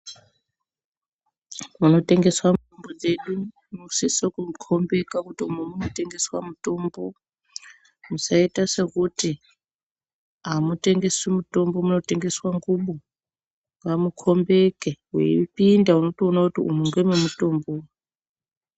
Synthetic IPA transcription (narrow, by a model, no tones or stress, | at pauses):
muno̞te̞ŋɡeswamutombod͡ze̞ɗu | musisokukʰombe̞kakutiumumunote̞ŋɡe̞swa̰muto̞ːmbo | musaitasekuti | amute̞ŋɡe̞swimuto̞mbo̞muno̞te̞ŋɡe̞swaŋɡuɓu | ŋɡamukʰo̞mbekewḛḭpindauno̞toonakutiṵmuŋɡememuto̞ːmbo